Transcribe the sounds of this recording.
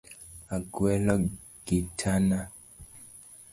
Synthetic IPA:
aɡwɛlɔ | ɡ̥itʰana

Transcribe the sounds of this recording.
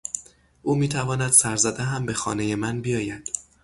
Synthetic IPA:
ʔuːmiːt̪ʰævɒːnæd̪̥sæɾzæd̪æɦæmbe̞xɒ̰ːneje̞mænbijɒːjæd̪̥

